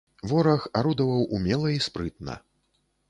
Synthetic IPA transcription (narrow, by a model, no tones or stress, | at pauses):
vɔɾɐxaɾud̪ɐvɐwʔumʲɛlˠɐispɾɨt̪nɐ̰